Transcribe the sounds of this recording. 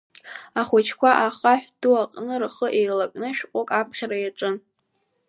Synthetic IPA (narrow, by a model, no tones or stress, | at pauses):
aχʷʊt͡ʃʰkʷaʔaχaħʷᶣd̥uaqʼnɨrχəʔejlakʼnɨʃᶣqʷʼokʼapʰχʲaɾajaʈ͡ʂʼɨn